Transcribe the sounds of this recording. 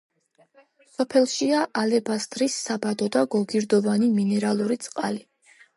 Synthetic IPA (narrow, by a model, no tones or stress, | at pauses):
sɔpʰɛlˠʃiaʔalɛbast̪ʼɾisːabad̪ɔd̪aɡɔɡiɾd̪ɔvaniminɛɾalˠuɾit̪sʼqʼali